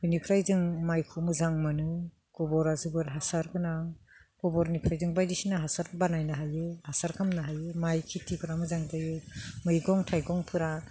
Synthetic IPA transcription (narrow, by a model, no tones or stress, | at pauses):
hɯjnikʰɾajzɯŋmajkʰumɯzaŋmɯnɯ | ɡ̥ɔbɔɾazɯbɯɾɦasaɾkɯnaɡ̥ɔbɔɾnipʰɾajzɯŋbajdisinaɦasaɾbanajnaɦajɯhasaɾkʰamnaɦajɯmajkʰitʰikʰɯɾamɯzaŋdajɯmɯjɡɔŋtʰajɡɔŋpʰɯɾa